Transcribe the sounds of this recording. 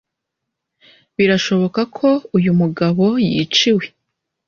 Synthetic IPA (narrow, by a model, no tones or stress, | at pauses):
βiɾaʃo̞βo̞kakʰo̞ujumuɡaβo̞jḭt͡ʃiwe